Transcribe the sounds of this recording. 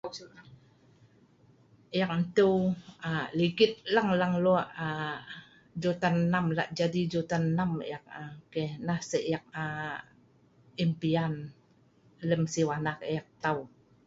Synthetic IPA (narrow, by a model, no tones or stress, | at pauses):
jak̚nt̪əwaliɡɪt̪̚laŋlaŋloaʔa | d͡ʒot̪anːamla̰ʔd͡ʒadid͡ʒot̪anːamjak̚akenahsəʔjak̚a | impian | ləmsiwanak̚jak̚t̪aw